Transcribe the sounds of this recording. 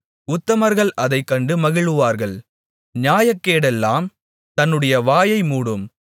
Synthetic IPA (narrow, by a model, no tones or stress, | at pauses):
ʊt̪ːɐmɐɾɣɐɭɐðɐɪkːɐɳɖɯmɐɣɪɭɯʋaːɾɣɐɭ | ɲaːjɐkːeːɽɛlːaːm | t̪ɐnːɯɽɐjɐʋaːjɐɪmuːɽɯm